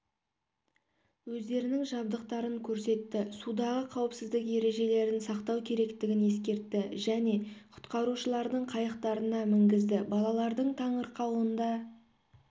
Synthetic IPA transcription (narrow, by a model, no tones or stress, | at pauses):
wɵzd̪e̞ɾɪnɪŋʒɑb̚d̪əqt̪ɑɾəŋkʲʰɵɾse̞t̪ːɪsud̪ɑʁəqʰɑwəpsɪzd̪ɪkje̞ɾe̞ʒe̞le̞ɾɪnsɑqt̪ɑwkʲʰe̞ɾe̞kt̪ɪɡʲɪne̞skʲe̞ɾt̪ːɪʒæne̞qʰʊ̥t̪qɑɾuʃəlˠɑɾd̪əɴqʰɑjɑqt̪ɑɾənɑmɪŋɡʲɪzd̪ɪbɑlˠɑlˠɑɾd̪əɴt̪ʰɑɴəɾqɑwənd̪ɑ